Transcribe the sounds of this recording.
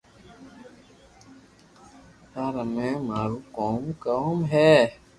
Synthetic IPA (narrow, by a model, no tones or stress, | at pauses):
taɾamɛ̃maːɾukɔ̃mkə̃mɦɛ